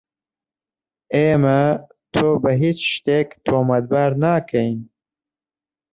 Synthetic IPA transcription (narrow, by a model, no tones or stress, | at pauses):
eːmɐ | t̪ʰoːbɐɦit͡ʃʃt̪eːkt̪ʰoːmɐd̪̚baːɾnaːkʰɐjn